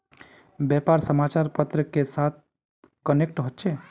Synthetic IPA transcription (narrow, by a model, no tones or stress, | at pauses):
bjɛpaɾsəmat͡ʃaɾpət̪ɾəkesat̪̚ʰ | kənek̚ʈɦotːt͡ʃʰe